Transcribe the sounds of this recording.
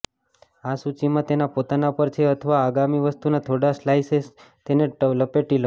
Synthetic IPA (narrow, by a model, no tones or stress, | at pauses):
asut͡ʃimãt̪enapot̪anapəɾt͡ʃʰeət̪ʰəʋaːɡamiʋəst̪unat̪ʰoɽaslajses | t̪eneʈəʋləpeʈilə